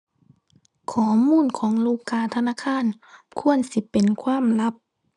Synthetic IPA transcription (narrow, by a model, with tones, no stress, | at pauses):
kʰɔː˨˩˦muː˧˥˨nkʰɔː˩˦ŋluː˧˩˨kʰːaː˧˩˨t̪ʰa˧naː˧˥˨kʰaː˧˥˨nkʰu˧˨ənsi˧˦pe˨nkʰwaː˧˥˨mla˦˥p̚